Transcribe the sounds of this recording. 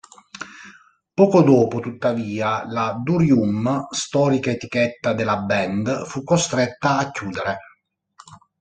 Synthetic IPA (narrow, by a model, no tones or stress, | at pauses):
pɔːkod̪ɔːpot̪ut̪ːaviːalad̪uɾjumst̪ɔːɾikaet̪ik̟ɛt̪ːad̪elabɛnd̪fukːost̪ɾɛt̪ːaːcːuːd̪eɾe